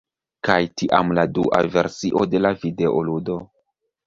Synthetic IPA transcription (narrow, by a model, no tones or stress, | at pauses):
kajtiʔamladuʔa̰ve̞ɾsiʔo̞de̞lavide̞ʔoludo̞